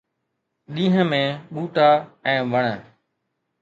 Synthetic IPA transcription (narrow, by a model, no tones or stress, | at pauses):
ɗĩːɦəmẽːɓuːʈaːɛ̃ːʋəɳə